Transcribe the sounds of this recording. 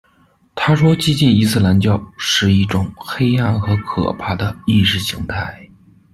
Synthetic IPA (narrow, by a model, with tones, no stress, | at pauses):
t̪ʰa˥ʂwɔ˥t͡ɕi˥t͡ɕi˥˩ni˧˥sɹ̩˥˩la˧˥nt͡ɕjɑ˥˧ʊʂɻ̩˥˧i˥˩ʈ͡ʂʊ˨˩˦ŋxe˥ɪa˥˩nxɤ˧˥kʰɤ̰˨˩pʰa˥˩d̪ə˩i˥˧ʂɻ̩˥˩ɕi˧˥ŋt̪ʰa˥˩ɪ